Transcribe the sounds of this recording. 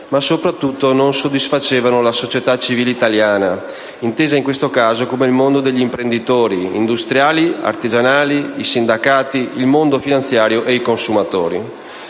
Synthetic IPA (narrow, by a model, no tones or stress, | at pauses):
masopɾat̪ːut̪ːononsod̪ːisfat͡ʃeːvanolasot͡ʃet̪at͡ʃiviːleit̪aljaːna | int̪eːzaiŋkwest̪okaːzokomeilmond̪od̪eʎːimpɾend̪it̪oːɾiḭnd̪ust̪ɾjaːlia̰rt̪id͡ʒanaːliisind̪akaːt̪iilmond̪ofinant̪sjaːɾjoʔeikonsumat̪oːɾi